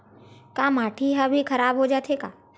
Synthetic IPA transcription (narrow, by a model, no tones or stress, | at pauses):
kaːmaːʈʰiɦabʱikʰɐɾaːbɦod͡ʒaːt̪ʰekaː